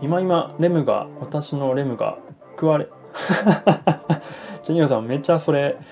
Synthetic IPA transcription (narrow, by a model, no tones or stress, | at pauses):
imaimaɾe̞mɯ̟ɡa̰βat̪aɕino̞ɾe̞mɯ̟ɡa̰ | kɯ̟βaɾe | d͡ʑeɲʲiosãmme̞t͡ɕaso̞ɾe̞